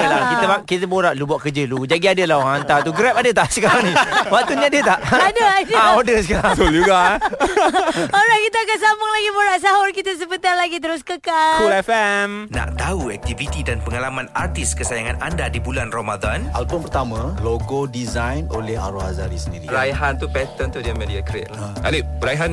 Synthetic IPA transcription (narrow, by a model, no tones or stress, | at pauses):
əlakit̪əakit̪əboɾaʔlubuaʔkəd͡ʒəlud͡ʒaɡiadəlawaŋant̪at̪uɡɾɛpadət̪aʔsəkaɾaŋnĩwak̚t̪uɲadiət̪aʔʔadəadəaodəsəkasold͡ʒuɡa | oɾahkit̪əakansambʊŋlaɡiboɾaʔsaɦɔrkit̪əs̬əbət̪alaɡit̪əɾʊskəkalulɛfɛmna̰ʔt̪auɛk̚t̪ivit̪idanpəŋalamanart̪iskəsajaŋanandadibulanrɔmadãnʔa̰lbʊnpərt̪amãloɡodizajno̰lɛɦa̰ɾuhazaɾisəndiɾiəɾajɦant̪upɛt̪ənt̪udiamediakɾɛ̰ta̰libəɾajɦan